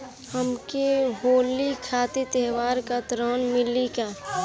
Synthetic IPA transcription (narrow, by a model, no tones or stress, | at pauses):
həmkeɦoːlikʰaːt̪et̪ɛːʋaːɾkat̪ɾəːnmɪlikaː